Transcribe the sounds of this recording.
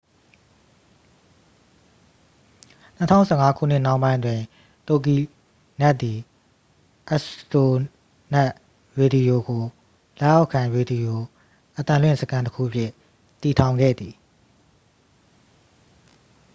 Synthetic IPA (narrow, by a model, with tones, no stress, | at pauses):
n̥ə˨tʰã̰˦˨ʊ̃sʰɛ˦˨ŋa˦kʰṵ˦˨n̥ɪ˦˨nã˦ʊ̃mbã˦ɪ̃ndwɪ̃˨ | t̪o˨k̬i˨ | nɛ˦ʔt̪ːi˨ | ʔa˦ʔsto˨ | nɛ˦ʔ | ɹe˨di˨o˨ɡo˨ | lɛ˦ʔja˦ʊʔkʰã˨ɹe˨di˨o˨ | ʔət̪ã˨lwɪ̰̃˦˨səkʰã˦ntəkʰṵ˦˨ʔəpʰjɪ˦ | t̪i˨tʰã˨ʊ̃ŋɡɛ̰˦˨d̪ði˨